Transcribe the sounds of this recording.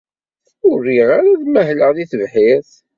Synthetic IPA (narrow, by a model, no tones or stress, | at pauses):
θ | ʊrːiʁaɾaðmæɦləʁðiθəvħið